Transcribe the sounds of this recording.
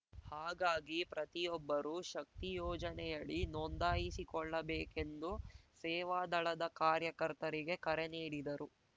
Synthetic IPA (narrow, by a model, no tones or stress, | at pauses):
haːɡaːɡipɾʔɐt̪ijɔbːɐɾuʃɐk̚t̪ijɔːd͡ʒɐnɛjɐɭinɔnd̪aːjisikɔɭːɐbeːke̞nd̪usɛːʋaːd̪ɐɭɐd̪ɐkaːɾjɐkɐɾt̪ɐɾiɡe̞kɐɾeniːɽid̪ɐɾu